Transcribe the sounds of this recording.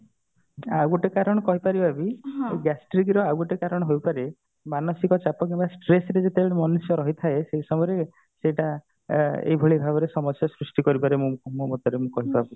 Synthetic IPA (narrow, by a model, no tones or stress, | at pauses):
awɡoʈekaɾɔɽ̃ɔkɔɦipaɾibabiɡasʈɾiɡiɾɔawɡoʈekaɾɔɽ̃ɔɦojpaɾe | manɔsikɔt͡ʃapɔkebasʈɾesɾed͡ʒet̪ʰeɽemɔnusjɔɾɔɦit̪ʰaeseisɔmɔɾe | seʈa | ḛɦibʱoɭibʱabɔɾesɔmɔsjasɾusʈikɔɾipaɾemũmumot̪ɔɾemũkɔɦit̪ɔabu